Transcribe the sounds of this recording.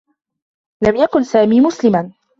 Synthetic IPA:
lamjakʊnsaːmiːmʊslɪman

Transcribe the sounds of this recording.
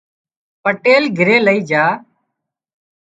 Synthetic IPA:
pəʈeːlɡʱɪɾeːləiːd͡ʒaː

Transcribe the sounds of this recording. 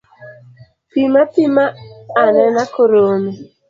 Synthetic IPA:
pimapimaanɛnakoɾome

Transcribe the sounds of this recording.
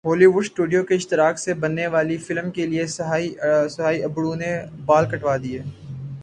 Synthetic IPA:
ɦoːliʋʊɖsʈuːɖijokeɪʃt̪ɪɾaːksebɐnːeʋaːlifɪlmkeliesɐɦaːisɐɦaːiɐbɽunebaːlkɐʈʋaːd̪iɦɛː

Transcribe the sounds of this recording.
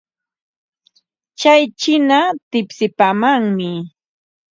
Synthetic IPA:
t͡ʃajt͡ʃɪnat̪ɪpsɪpaːmaŋmɪ

